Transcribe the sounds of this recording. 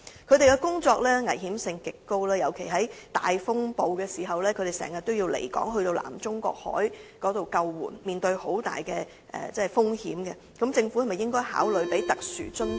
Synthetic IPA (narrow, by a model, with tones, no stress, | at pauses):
kʰɵ˨˧ɥɾe˨jkɛ˧kʊ˥ŋt͡sɔː˧k̚lɛː˥ŋɐ˨˩jɦiː˨˥msɪ˧ŋkɪ˨kːo˥wlaː˥jɐ˨˩wkʰe˨˩jɦɐ˨˥jt̪a̰ː˨jfʊ˥ŋpo˧wkɛː˧siː˨˩ɦɐ˨wlɛː˥kʰɵ˨˧t̪e˨jsɛ̰ː˨˩ŋjɐ˨t̪̚o˥wjiː˧wlḛ˨˩jkɔ̰ː˨˥ŋɦɵ˧ɥt̪o˧wla̰ː˨˩mt͡sʊ˥ŋkɔ̰ː˧k̚hɔ̰ː˨˥jkɔː˨˥t̪o˨wkɐ˧wːṵː˨˩nmiː˨nt̪ɵ˧ɥho˨˥wt̪a̰ː˨jkɛː˧ | ʔɛ̰ː˨t͡sɛː˥˩fʊ˥ŋhḭː˨˥mkɛ˧ | kɐ˨˥mt͡sɪ˧ŋfu˨˥hɐ˨˩m˨jɪ˥ŋkɔː˥jha̰ː˨˥wlɵ˨˧ɥpe˨˥jt̪ɐ˨k̚sy̰ː˨˩t͡ʃɵ˥n